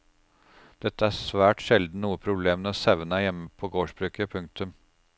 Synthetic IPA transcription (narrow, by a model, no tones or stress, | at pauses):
d̪̥ɛt̪ːəæːsʋæːʈʃɛld̪n̩nuːəpʰɾʊbleːmnəsæʋənɑjɛmːəpʰɔːɡoːʂbɾʉːkəpʰɵŋk̚t̪ʰʉm